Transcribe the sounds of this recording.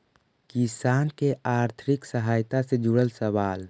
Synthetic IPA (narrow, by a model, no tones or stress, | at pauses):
kɪsaːnkeaːɾt̪ʰɾɪksəɦaːjt̪ased͡ʒʊɽəlsəʋaːl